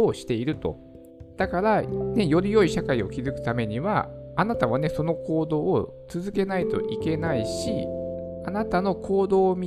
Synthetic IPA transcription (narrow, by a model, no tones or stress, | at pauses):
oːɕi̥t̪e̞iɾɯ̟t̪o̞̰ | d̪̥akaɾane̞jo̞ɾʲijo̞iɕakaio̞kʲizɨkɯ̟̥t̪ame̞ɲ̟iβa̰ːnat̪aβane̞so̞no̞ko̞ːd̪o̞ː | t͡sɨzɨke̞nait̪o̞ʔike̞naiɕianat̪ano̞ko̞ːd̪o̞ːmʲi